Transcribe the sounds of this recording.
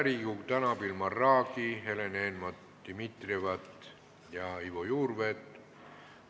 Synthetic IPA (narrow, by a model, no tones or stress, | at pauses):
ɾikukt̪ɑnɑpilmɑrːɑːkiɦelenenmɑt̪d̪̥imit̪rivɑt̪ | jɑivojuːrvet̪